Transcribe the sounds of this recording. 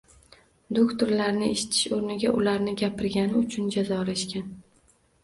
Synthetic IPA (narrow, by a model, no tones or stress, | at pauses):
d̪okt̪oɾlaɾnɪeʃɪ̥t̪ʰɪ̥ʃoɾnɪɡʲaʔʊlaɾnɪɡʲapʰɪɾɡʲanɪʊt͡ʃʰʊnd͡ʒazɒɒlaʃkʲan